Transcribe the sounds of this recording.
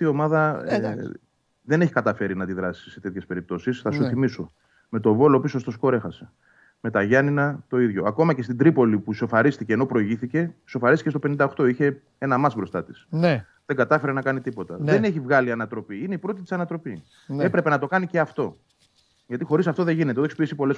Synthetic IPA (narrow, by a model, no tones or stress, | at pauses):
t̪io̞mɐðɐe | ðe̞ne̞çi̥kɐt̪ɐfe̞ɾinɐd̪iðɾɐsi̥se̞t̪e̞t̪çespe̞ɾip̚t̪o̞sisθɐsuθimiso | me̞t̪o̞vo̞lo̞piso̞st̪o̞sko̞ɾe̞xɐse̞̥ | me̞t̪ɐʝɐninɐt̪o̞iðʝo̞ɐko̞mɐce̞st̪id̪ɾipo̞lipuso̞fɐɾist̪ice̞ːno̞pɾo̞iʝiθice̞so̞fɐɾist̪icest̪ope̞nind̪ɐoxt̪o̞içe̞ | e̞nɐmɐsbɾo̞st̪ɐt̪i̥sn | ðeŋɡɐt̪ɐfe̞ɾenɐkɐnit̪ipo̞t̪ɐðe̞neçivɣɐliɐnɐt̪ɾo̞piineipɾo̞t̪it̪i̥sɐnɐt̪ɾo̞pi | epɾe̞pe̞nɐt̪o̞kɐniceɐft̪o̞ | ʝɐt̪ixo̞ɾisɐft̪oðe̞ʝine̞t̪euðoeçksopiesipo̞le